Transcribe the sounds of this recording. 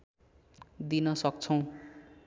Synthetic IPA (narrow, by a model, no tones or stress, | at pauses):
d̪inʌsʌk̚t͡sʰʌw̃